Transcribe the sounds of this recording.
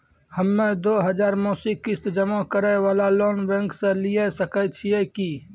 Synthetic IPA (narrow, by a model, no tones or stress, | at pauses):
həmːẽd̪oːɦəd͡ʒaːɾmɔːsikɪst̪d͡ʒəmakəɾɛwaːlaloːnbɛ̃ŋkseliesəkət͡ʃʰieki